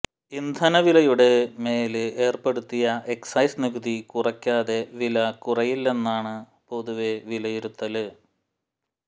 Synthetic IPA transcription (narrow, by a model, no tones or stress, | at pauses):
ind̪ʱɐnɐʋilɐjuɽe̞me̞ːlɨeːrpe̞ɽut̪ːijɐe̞ksɐjsniɣuðikurɐkʲːaːðe̞ʋilɐkurɐjilːe̞nːaːɳɨ | po̞ðuʋe̞ʋilɐjiɾut̪ːɐlɨ